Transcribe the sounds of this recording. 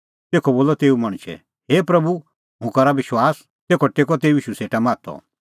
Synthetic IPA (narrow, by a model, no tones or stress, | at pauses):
t̪eːkʰɔboːlɔt̪eːumɐɽ̃ʃɛ̰ | ɦeːpɾɐbu | ɦʊ̃kaɾaʋɪʃwaːs | t̪eːkʰɔʈeːk̬ɔt̪eːuiːʃuseːʈamaːt̪ʰɔ̰